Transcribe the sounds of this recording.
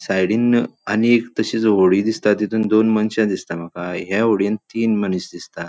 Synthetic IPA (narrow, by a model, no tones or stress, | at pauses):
sajɽiːnaniekt̪əɕiːt͡sɦoɽiːd̪ist̪at̪jit̪ʰuːnd̪onmənɕãd̪ist̪am̤əkaɦɛoɽjənt̪iːnməniɕd̪ist̪at̪